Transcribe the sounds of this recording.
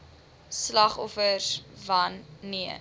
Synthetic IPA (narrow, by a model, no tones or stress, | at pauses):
slɐχɔfəsvɐnːiə